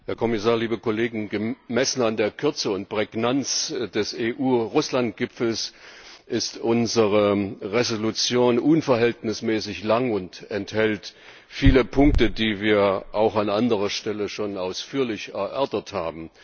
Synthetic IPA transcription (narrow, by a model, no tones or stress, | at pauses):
hɛːɐkʰɔmɪsaːɐliːbəkoleːɡŋ̩ɡəmɛsn̩andeːɐkʰʏɐt͡səʊnt̚pʁ̥ɛɡnant͡sd̥ɛseːʔuːʁʊslant̚ɡ̥ɪpfl̩sʔɪstʔʊnzəʁəʁezolut͡sjoːnʔʊnfɛɐɦɛltnɪsmɛːsɪçlaŋʊntɛnthɛlt | fiːləpʰʊŋk̚tədiːviːɐʔaʊxanʔandəʁɐʃtɛləʃoːnaʊsfyːɐlɪçɛɐʔɛɐtɐthaːbm̩